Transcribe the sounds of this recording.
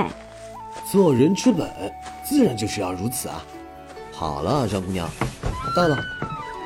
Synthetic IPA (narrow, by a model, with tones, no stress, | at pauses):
t͡s̩˧wɔ˨˩ɻə˧˥nt͡ɕʰy˥pə̰˨˩˦t͡sɹ̩˥˩ɻa˧˥nt͡ɕjʊɕy˥jɑ̰˥˩ʊɻu˧˥t͡sʰɹ̩˨˩ɐ̰˦ | xɑ̰˨˩ʊlə˦ʂɑ˥ŋku˥˧njɑ̰˥˩ŋt̪ɑ˥˩lə˨˩